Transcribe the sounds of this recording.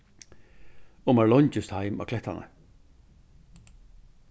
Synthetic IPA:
ɔmaɹlɔɲt͡ʃɪst̪haɪma̰kʰlɛht̪a̰nə̰

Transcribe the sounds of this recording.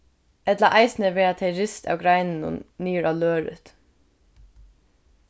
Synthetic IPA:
ɛt̪laʔaɪsnəʋɛːɹat̪ʰɛjɹɪst̪a̰ːwɡɾajnɪnʊ̰nːiːɹʔaːløːɾɪ̰t̪

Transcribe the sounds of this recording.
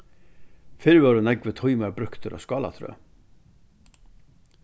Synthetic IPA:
fɪɾvœɾʊnɛkvət̪ʰɔjmaɾbɾʏhkt̪ʰʏɾa̰skɑːla̰t̪ʰɾœ̰ː

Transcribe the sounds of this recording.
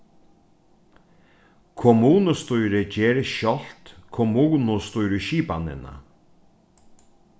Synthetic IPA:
kʰɔmuːnəst̪uʏɾəceːɾʃɔlt̪kʰɔmuːnʊst̪uʏɾəʃiːpa̰nɪ̰nə̰

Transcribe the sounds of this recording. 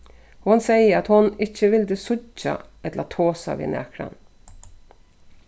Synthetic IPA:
hʊnsæɪəɾɑt̪hʊnɪçəʋɪld̪əsʊɟɑ̰ʔɛt̪əɾɑt̪ʰoːsɑ̰ʋḭːnæ̰kɾɑ̰n

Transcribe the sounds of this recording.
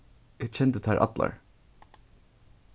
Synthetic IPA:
ɪɡt͡ɕʰɛnt̪ət̪ʰæɹʔɑ̰t̪la̰ɹ

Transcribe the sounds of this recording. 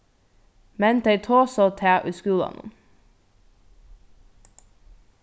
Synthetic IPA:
mɛnd̪eɪt̪ʰoːsɔt̪ʰeːʔʉːskʉːlɑ̰n̰n

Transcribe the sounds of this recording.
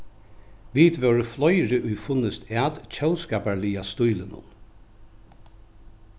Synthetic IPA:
ʋid̪ʋœːɹəflɔjɹɪʔʊjfʊnəst̪at̪t͡ɕʰœlskaːpaɹliast̪ujlənʊ̰n

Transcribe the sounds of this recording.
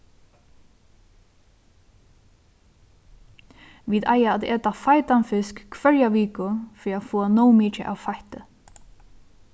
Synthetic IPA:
ʋiːd̪ajaat̪ɛːt̪afajt̪anfɪskkʰʋœɹjaʋiːkʊfɾiafɔːanɔwmiːt͡ʃɪ̰ʔa̰ːwfaht̪ɪ

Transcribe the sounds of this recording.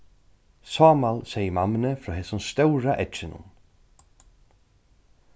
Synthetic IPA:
sɔːmalsɛjəmamːɪnəfɾɔːɦɛːsʊnst̪œwɾaʔɛtt͡ʃɪnʊ̰n

